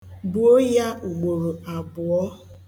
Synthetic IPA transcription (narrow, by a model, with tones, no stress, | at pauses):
bʊ˨o˦ja˦ʔu˨ɡ͡bo˨ɾu˨a˨bʊ˨ɔ˦